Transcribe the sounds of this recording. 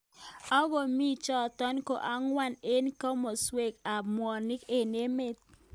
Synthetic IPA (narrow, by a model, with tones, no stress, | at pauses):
ɔ˦ɡo˨mi˦t͡ʃɔ˦˨tɔ˦nko̰˨ʔa˦ŋwa˦˨ne˦nkɔ˦mo˨swe˨ka˨mwɔ˨nɪ˦ke˨ne˦me˦t̪̚